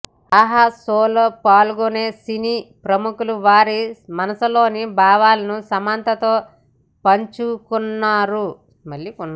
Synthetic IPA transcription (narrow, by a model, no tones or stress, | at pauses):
ɐɦɐsoːloːpaːluɡoneːsiniːpɾɐmukuluʋaːɾimɐnɐsɐlo̞ːnibaːʋaːlɐnusɐmaːnt̪ɐt̪o̞ː | pɐɲt͡ʃukunːaːɾu | mɐljiunː